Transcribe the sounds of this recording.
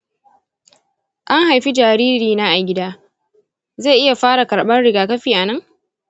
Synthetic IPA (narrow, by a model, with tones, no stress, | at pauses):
ʔa˦ŋɦa˨jɸi˦d͡ʒaː˨ɾiː˦ɾiː˨na˦ʔa˨ɡʲɪ˦daː˦ | za˦˨ʔɪ˦ja˨ɸaː˦ɽa˨kɐ˨ɽɓɐ˦nɽɪ˨ɡaː˨kɐ˦ɸiː˨ʔa˨nɐ˦ŋ